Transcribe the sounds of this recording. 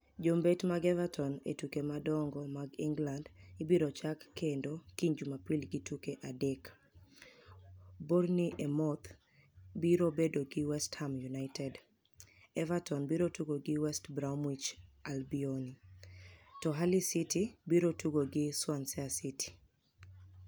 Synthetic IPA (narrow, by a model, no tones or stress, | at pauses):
d͡ʒombetmaɡɛvatʰɔnḛtukemadɔŋɡɔmaɡiŋɡlandibiɾot͡ʃakːendokiɲd͡ʒumapilɡɪtukeʔadɛk | boɾniʔemɔt̪ | biɾobedoɡɪwɛsthamjunaɪtɛd | ɛvatɔnbiɾotuɡoɡɪwɛstbɾaumwit͡ʃalbioni | tɔɦalisitibiɾotuɡoɡɪswansɛasitʰi̥